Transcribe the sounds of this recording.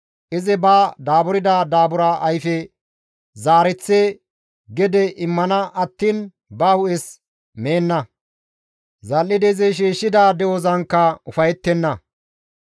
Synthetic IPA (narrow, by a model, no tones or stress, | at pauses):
ʔɪzɛbaːd̪aːbʊɾɪd̪aːd̪aːbʊɾaːʔɐjfɛ | zaːɾɛt͡sːe | ɡɛd̪ɛʔɪmːɐnɐʔɐt̪ːiːn | bɐhʊʔɛs | meːnːɐ | zɐlːɪd̪ɛzɛʃ̬iːʃːɪd̪aːd̪ɛwɔzɐnkːɐʊfɐjɛt̪ːɛnːɐ